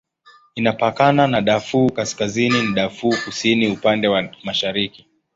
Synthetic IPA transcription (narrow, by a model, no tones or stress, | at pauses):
inapakananaɗafuːkaskazininiɗafuːkusiniupandɛwamaʃaɾiki